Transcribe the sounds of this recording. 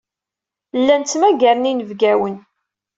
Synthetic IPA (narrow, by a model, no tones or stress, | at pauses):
lːænmæɡæɾninəvɡæwən